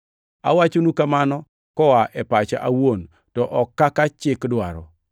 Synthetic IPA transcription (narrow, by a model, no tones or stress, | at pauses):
a̰wat͡ʃonukamanɔ | kɔwaʔɛpat͡ʃa̰ʔawon | tɔʔɔkːakat͡ʃɪkdwa̰ɾɔ